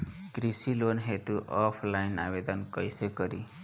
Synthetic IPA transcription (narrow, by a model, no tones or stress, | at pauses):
kɾisilonɦet̪uʔɔpʰlajna̰bed̪ʌnkʌjsekʌɾi